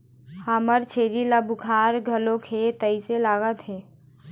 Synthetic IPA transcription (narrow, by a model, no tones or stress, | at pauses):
haːməɾt͡ʃʰeːɾilaːbʊkʰaːɾɡʱəlõkʰet̪əiselaːɡət̪ɦɛ̃ː